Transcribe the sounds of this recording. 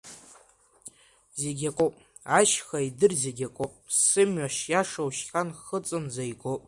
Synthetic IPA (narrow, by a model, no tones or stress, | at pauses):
zeɡʲakʷʼopʼ | aʃχaidɨrzeɡʲakʷʼopʼssɨmɥaʃjaʂawʃχʲanχət͡sʼɨnzajɡopʼ